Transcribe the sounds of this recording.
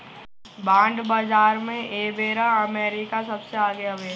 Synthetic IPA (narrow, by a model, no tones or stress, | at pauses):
bãːɳɖbad͡ʒaːɾmẽʔeːbeːɾaɐmeːɾɪkasɐbseaːɡeɐʋeː